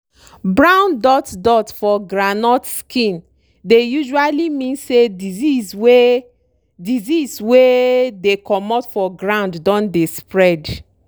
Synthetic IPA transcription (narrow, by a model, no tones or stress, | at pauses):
bɹãʊ̃ndɔtdɔtfɔɡɹanɔtskĩn | dejuʒualimĩnsedizizwe | dizizwedekɔmɔtfɔɡɹãʊ̃nddɔ̃ndespɹɛd